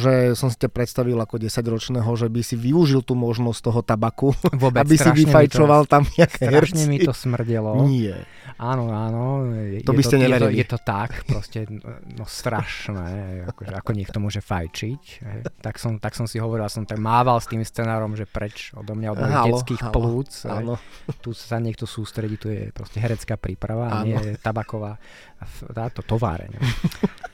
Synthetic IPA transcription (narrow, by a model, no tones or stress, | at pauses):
ʒɛsɔmsi̥capɾɛt̪st̪aʋilakɔɟɛsaɟɾɔt͡ʃnɛɦɔʒɛbisiʋiuʒilt̪uːmɔʒnɔst̪ɔɦɔt̪abakuʋʊɔbabisɾiʋifajt͡ʃɔʋalˠt̪amɲɛakɛːɦɛɾʃɲɛmiit̪ɔsmr̩ɟɛlɔɲɪɛ̰ | ʔaːnɔaːnɔɛɔɛtbiscɛɲɛɛɾiɛlijɛt̪ɔt̪akpɾɔscɛnɔst̪ɾaʃnɛːɦɛakɔʒɛakɔɲɪɛkt̪ɔmʊɔʒɛfajt͡ʃicɦɛ̰jt̪aksɔmt̪aksɔmsiɦɔʋɔɾiljasɔmt̪aɡmaːʋalst̪iːmst͡sɛnaːɾɔmʒɛpɾɛt͡ʃɔ̰d̪ɔmɲaɔd̪mɔɛt͡skiːxpluːt͡sɦɛt̪ussaɲɪɛk̚t̪ɔsuːst̪ɾɛɟiːt̪ujɛ̰pɾɔ̰scɛɦɛɾɛt͡skaːpɾiːpɾaʋaɲɪɛjɛt̪abakɔʋaː | t̪aːt̪ɔt̪ɔʋa̰ːɾɛ̰ɲɔ̰